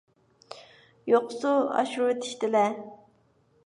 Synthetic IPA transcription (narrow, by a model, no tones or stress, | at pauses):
joqʊsuɑ̰ʃɾt̪ʰɪ̥ʃt̪ɪlɛ